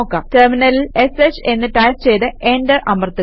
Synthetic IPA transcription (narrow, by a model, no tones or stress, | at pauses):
okːɐterminɐlile̞set͡ɕenːɨʈaːjst͡ɕe̞jt̪ɨʔendɐʔɐmɐrt̪ːɨ